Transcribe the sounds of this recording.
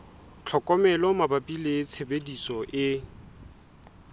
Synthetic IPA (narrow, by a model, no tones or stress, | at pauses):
t͡ɬʰɔkʼɔmɛlɔmabapʼilet͡sʰebedisɔʔɪ